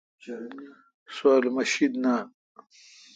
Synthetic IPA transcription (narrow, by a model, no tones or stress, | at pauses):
swaːlmɐɕid̪naːn